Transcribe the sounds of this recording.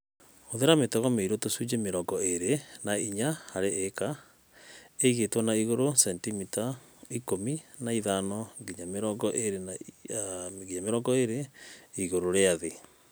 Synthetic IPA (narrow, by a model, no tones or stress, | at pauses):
oðeɾametɛɣɔmeiɾotosud͡ʒemeɾɔɡɔeɾenaiɲaaɾeʔeka | eiɣetwɔnaiɣoɾosɛntimita | ikominaiðanɔɡiɲameɾɔɡɔʔeɾena | ɡiɲameɾɔːŋɡɔeɾeiɣoɾoɾeaðe